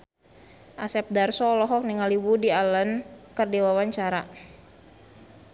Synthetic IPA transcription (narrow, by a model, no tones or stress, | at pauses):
ʔasɛp̚darsɔlɔɦɔk̚niŋaliwudialənkərdiwawaɲt͡ʃaɾa